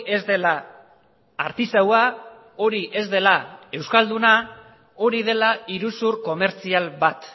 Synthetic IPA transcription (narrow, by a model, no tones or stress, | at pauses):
e̞zd̪e̞la | aɾt̪isawa | o̞ɾiʔe̞zd̪e̞lae̞wskald̪una | o̞ɾiðe̞laiɾusuɾko̞me̞ɾt͡sialβat̪